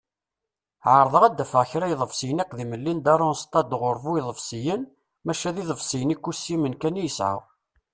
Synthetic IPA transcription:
ʕəɾˤðˤəʁæd̪ːæfəʁçɾæjðˤəfsijənækʷːðiməlːind̪ɑrˤːʊnst̪ˤɑd̪ʁʊɾˤvujðˤəfsijən | mæʃæðiðˤəvsijənikːusːimənkænjəsʕa̰w

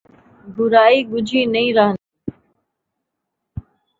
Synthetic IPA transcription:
bʊɾaːiːɡʊd͡ʒʱiːnəĩːɾəɦən

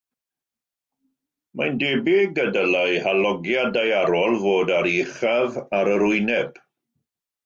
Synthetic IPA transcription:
majndebɪɡədəlajhalɔɡjadajaɾɔlˠvoːdaɾiχavaɾəɾʊɨnɛb

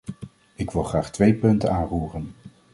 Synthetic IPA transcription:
ɪkʋɪlˠχraːχtʋejpɵntənaːnruːrən

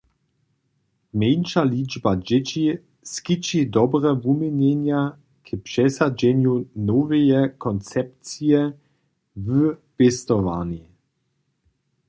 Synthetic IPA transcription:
mʲenʃalʲid͡ʒbad͡ʑɪt͡ɕi | skit͡ʃid̪ɔbɾɛvumɛɲɛɲja | kʰɪpʂɛsad͡ʑɛɲjunɔvɛjɛkɔnt͡sɛp̚t͡sijɛ | vəpɛst̪ɔvani

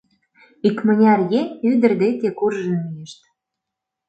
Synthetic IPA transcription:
ikmə̆nʲɑrjenʲyd̪ə̆rd̪et̪ʲekurʒə̆nmijeʃt̪

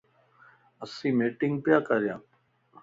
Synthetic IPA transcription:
əsĩːmeːʈɪ̃ŋɡpjaːkəɾjã̰ː

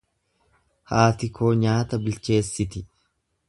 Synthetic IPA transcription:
haːt̪ɪkʰoːɲaːt̪ɐbɪlt͡ʃe̞ːsːɪt̪ɪ

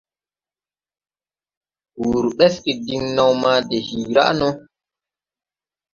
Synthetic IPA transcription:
wuːɾuɓɛskidiŋnawmaːdɛhiːɾa̰ʔnɔ

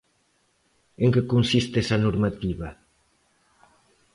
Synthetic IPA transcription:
eŋkekonsist̪ɛsɐnoɾmat̪iβɐ

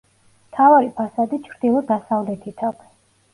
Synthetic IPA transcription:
mt̪ʰavaɾipʰasad̪it͡ʃʰɾd̪ilˠɔd̪asavlɛt̪ʰit̪ʰaɡɛ

